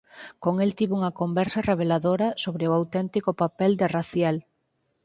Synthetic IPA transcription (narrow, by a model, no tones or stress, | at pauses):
koŋelt̪iβuŋɐkombɛɾsɐreβ̞elaðoɾɐsoβɾɪʊawt̪ɛnt̪ikʊpapɛld̪ɪraθjal